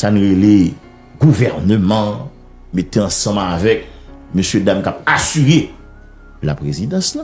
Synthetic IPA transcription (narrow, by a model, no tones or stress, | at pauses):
sanũʁele | ɡuvɛʁnømʌ̃ | met̪eɐ̃sʌ̃mavɛk̚møsjødamkapasyʁe | la̰pʁezid̪ɑ̃sla